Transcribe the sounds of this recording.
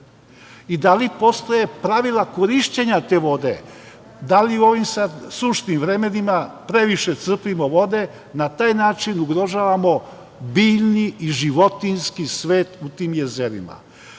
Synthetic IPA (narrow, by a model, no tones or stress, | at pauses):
id̪alipo̞st̪o̞je̞pɾaʋilako̞ɾiʃt͡ɕe̞ɲat̪e̞ʋo̞d̪e̞̰ | d̪aliuo̞ʋimsad̪suʃt̪nimʋɾe̞menimapɾe̞ʋiʃe̞t̪sr̩pimo̞ʋo̞d̪e̞ | nat̪aːjnaːt͡ʃinuɡɾo̞ʒaːʋamo̞ | biːʎniiʒiʋo̞t̪inskisʋe̞ːt̪ut̪iːmje̞zeɾima̰